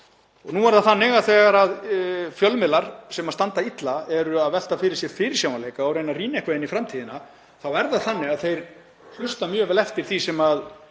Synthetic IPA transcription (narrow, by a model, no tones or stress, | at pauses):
ɔɣnuɛɾðaθanːɪɣaðθɛːɣaɾaðfjœlmɪlaɾ̥sɛmast̪ant̪ait̪laɛɾʏaðvɛl̥t̪afɪɾɪɾ̥sjɛɾfɪɾɪ̥ɾ̥sjaːwnalejkaːwɾejnariːnɛhkvejðɪnifɾamt̪ʰiːðɪna | θawɛɾðaθanːɪɣaðθejɾ | hlʏst̪amjœːvɛːlɛft̪ɪɾ̥θisɛmað